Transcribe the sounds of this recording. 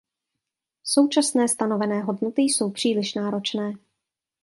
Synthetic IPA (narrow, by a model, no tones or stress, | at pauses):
so̞wt͡ʃasnɛːst̪ano̞vɛnɛːɦo̞dnot̪ɪjso̞wpr̥iːlɪʃnaːɾo̞t͡ʃnɛː